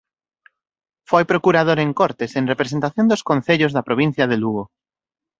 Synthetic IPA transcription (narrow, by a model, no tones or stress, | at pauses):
fojpɾokuɾað̞oɾeŋkoɾt̪esẽŋrepɾes̬ent̪aθjond̪oskõnθeʎozðɐpɾoβ̞in̟θjaðeluɣo